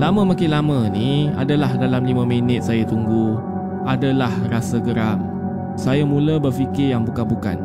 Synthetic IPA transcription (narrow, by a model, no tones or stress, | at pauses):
lamə̃makɪnlamə̃nia̰dalahdalamlimə̃minɪt̪̚sajat̪uŋɡu | adalahrasaɡəɾam | sajamũləbərfikɪjaŋbukabuka̰n